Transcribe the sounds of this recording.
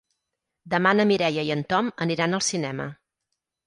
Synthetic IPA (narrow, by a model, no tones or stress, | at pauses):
d̪əmanəmiɾɛjəjənt̪ɔməniɾanəlˠsinɛmə̰